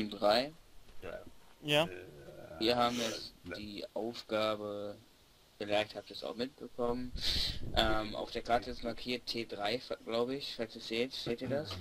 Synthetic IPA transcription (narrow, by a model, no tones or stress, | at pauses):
mdʁaɪ | jaː | iːɐɦaːbm̩jɛt͡sd̥iːʔaʊfɡ̥aːbə | ɡ̥əlɛɐk̚thaːptiːsa̰ʊxmɪt̚b̥əkʰɔmənʔɛːmʔa̰ʊfd̥eːɐkʰaɐtəɛsmaɐkʰiːɐtʰːeːdʁaɪfɡ̥laʊbəɪçfalstiːz̥eːtz̥eːtiːɐdas